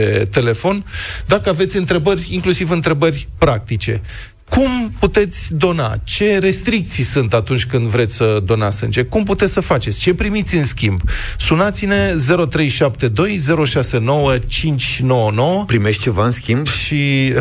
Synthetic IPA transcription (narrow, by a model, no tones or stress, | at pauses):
et̪e̞le̞fo̞nd̪akəave̞t̪sʲɨnt̪ɾe̞bərʲiŋklusivɨnt̪ɾe̞bərʲpɾak̚t̪it͡ʃe̞̰ | kumput̪e̞t̪sʲd̪o̞na̰t͡ʃe̞ɾe̞st̪ɾik̚t̪sijsɨnt̪at̪unt͡ʃʲkɨnd̪vɾet̪sʲsəd̪o̞nasɨnd͡ʒe̞kumput̪esəfat͡ʃe̞t̪sʲt͡ʃe̞pɾimit̪sʲɨnskʲimbsunat̪sine̞ze̞ɾo̞t̪ɾe̞jʃap̚t̪e̞d̪o̞jze̞ɾo̞ʃase̞no̞wət͡ʃint͡ʃʲno̞wəno̞wəpɾimeʃt̚t͡ʃe̞vaɨnskʲimbʃi